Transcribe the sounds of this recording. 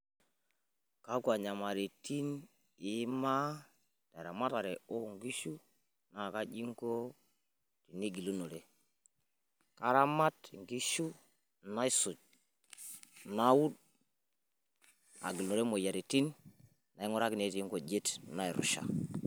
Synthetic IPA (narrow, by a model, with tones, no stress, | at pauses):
ka˦ku˨a˨ɲa˨ma˨ɾi˨ti˦n | i˦ma˦ | ta˨ɾa˨ma˦ta˨ɾe˨o˦˨ŋɡi˦ʃu˦ | na˨ka˦d͡ʒi˦ŋko˦ | ti˨ni˦ɡi˨lu˦no˨ɾe˦ | ka˦ɾa˦ma˦tŋɡi˦ʃu˦ | na˦i˦su˨d͡ʒ | na˦wu˦d̚ | a̰˨ɡi˨lno˨ɾe˦mo˨ja˨ɾe˨ti˦n | na˨i˦ŋo˦ɾa˦ki˨ne˦ti˨i˦ŋko˨d͡ʒe˦tna˦i˨ɾṵ˨ʃa̰˨